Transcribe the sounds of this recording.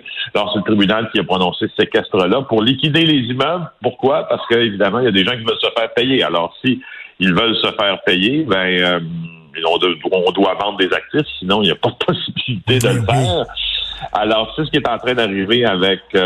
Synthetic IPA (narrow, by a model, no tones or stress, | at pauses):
alɔːʁselət̪ʁibynalkʲiapʁɔnɔ̃sesekʲɛst̪ʁəlapʊʁlikʲid̪elezimœblpʊʁkwapaʁsə̥kəevid̪amɑ̃ijad̪eʒɑ̃k̬ʲivœlsəfɛːʁpɛjea̰lɔːʁsiilvœlsəfɛːʁpɛjebɛ̃ | ɔ̃d̪ɔ̃d̪wavɑ̃d̪̚d̪ezak̚t̪ɪfsinɔ̃iljapʌd̪əpʰɔsibilit̪ed̪əlfɛːʁ | a̰lɔːʁsesəkʲiet̪ɑ̃t̪ʁɛ̃d̪aʁiveavɛk